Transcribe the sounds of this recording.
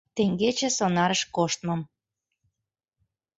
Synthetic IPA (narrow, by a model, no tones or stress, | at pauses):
t̪eŋɡet͡ɕĕsonɑɾəʃkoʃt̪mɤ̆m